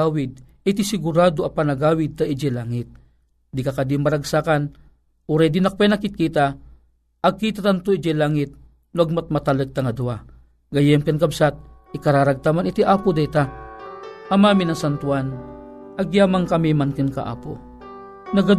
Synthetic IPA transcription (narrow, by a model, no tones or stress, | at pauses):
awɪd̪̚ | ɪt̪isɪɡʊɾaːd̪oʔɐpanɐɡaːwɪd̪̚t̪aid͡ʒɛlaːŋɪt̪̚ | d̪ikɐkad̪imːɐɾɐɡsaːkan | ʔuɾajd̪inɐk̚pɛnakɪt̪̚kit̪a | ʔɐɡ̚kit̪̬at̪ant̪oid͡ʒɛlaŋɪt̪̚ | nʊɐɡ̚mat̪̚mɐt̪alɨɡ̚t̪aŋɐd̪ua | ɡɐjɛmkɐnkɐbsat̪̚ | ɪkɐɾaːɾɐɡ̚t̪amanɪt̪iʔaːpod̪ajt̪a | ʔɐmaːminɐŋsant̪wanʔɐɡjaːmaŋkɐmimankɨnkaʔa̰ːpo | nɐɡad̪